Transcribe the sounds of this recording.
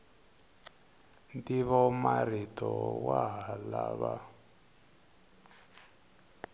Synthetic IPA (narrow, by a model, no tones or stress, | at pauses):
ntiβɔmaritɔwaɦaalaβa